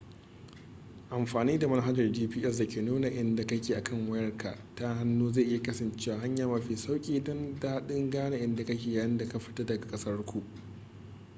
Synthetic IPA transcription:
ʔa˨mɸaː˨niː˦da˨mɐ˦n˦ɦa˦d͡ʒɐ˨rd͡ʒiː˦piː˦ʔɛ˦s̬dɐ˨kʲeː˨nuː˦na˨ʔɪ˦nda˨kɐ˦kʲeː˨ʔa˨kʰɐ˦˨ŋwɐ˦jɐ˦rkʰa̰˨ʔta˦ha˦nːuː˦zeː˦˨ʔɪ˦ja˨kɐ˦sɐ˨nt͡ʃeː˦waː˨ɦa˦ɲjaː˨mɐ˨ɸiː˨sa˦wkʲʼiː˨dɔ˦ndaː˦ɗɪ˦ŋɡaː˦na˨ʔɪ˦nda˨kɐ˦kʲeː˨jaː˨jɪ˦nda˨ka˦ɸɪ̥˦tɐ˦dɐ˨ɡa˨kʼɐ˦sɐ˦rkʷu˨ʔ

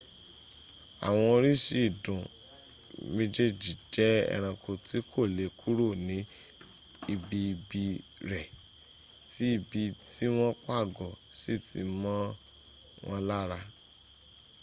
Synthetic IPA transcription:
a̰˨w̃ɔ̃˧ɾi˦ʃi˦i˦˨dũ˨ | mĩ˧d͡ʒe˦d͡ʒi˨d͡ʒɛ˨˦ɛ̰˧ɾ̃ã˧ko˧ti˨˦kʰo˦˨le˨˦kʰu˦ɾo˦˨nĩ˨˦ | i˧bi˧bi˧ɾɛ˨ | ti˨˦i˧bi˧ti˦w̃ɔ̃˦k͡pa˦˨ɡɔ˨si˦˨ti˧˦mɔ̃˦ | w̃ʔɔ̃˧la˦ɾa˧

